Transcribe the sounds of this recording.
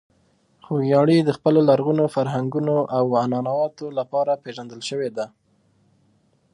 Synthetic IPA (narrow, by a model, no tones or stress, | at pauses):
xojɑɽid̪əxpəlolaɾɣunofaɾɦaŋɡunoʔawanɑnawɑt̪olapɑɾapeʒand̪əlʃəwed̪a